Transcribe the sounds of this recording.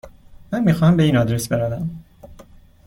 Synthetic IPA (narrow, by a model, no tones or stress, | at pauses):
mænmiːxɒːhæmbe̞iːnɒd̪ɾesbe̞ɾævæm